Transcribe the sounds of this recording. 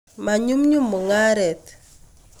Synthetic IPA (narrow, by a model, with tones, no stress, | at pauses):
ma˨ɲu˦mɲu˦mːu˨ŋa˦ɾɛ˨t̪